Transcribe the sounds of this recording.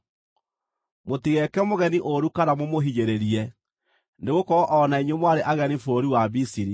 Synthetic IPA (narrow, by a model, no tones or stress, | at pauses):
motiɣɛkɛmoɣɛniʔoɾukaɾamomoɦiɲeɾeɾiɛ | neɣokɔɔʔɔnaiɲwemwaɾeʔaɣɛnifoɾiwabisiɾi